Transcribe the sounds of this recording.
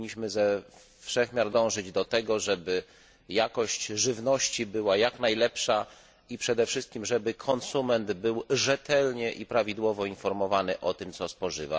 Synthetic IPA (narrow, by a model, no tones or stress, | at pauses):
ɲːiɕmɘzɛ | fʂɛxmʲjaɾd̪ɔ̃w̃ʐɘd͡ʑd̪ɔt̪ɛɡɔʐɛbɘ | jakɔɕt͡ɕʐɘvnɔɕt͡ɕibɘwajaknajlɛpʂa | ipʂɛd̪ɛfʂɘst̪̚kʲimʐɛbɘkʰɔnsumɛnd̪bɘwʐɛt̪ɛlɲɛʔipɾavʲid̪wɔvɔinfɔɾmɔvanɘʔɔt̪ɘmt̪sɔspɔʐɘ̰va̰